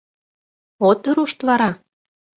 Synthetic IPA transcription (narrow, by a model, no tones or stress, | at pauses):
ot̪yɾuʃt̪βɑɾɑ